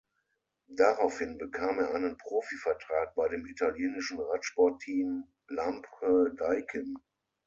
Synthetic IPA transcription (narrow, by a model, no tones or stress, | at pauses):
daʁaʊfhɪnbəkʰaːmeːɐʔaɪnənpʁ̥oːfifɛɐtʁ̥aːk̚b̥aɪdeːmitaljeːnɪʃn̩ʁatʃpɔɐtʰiːm | lampədaɪkʰən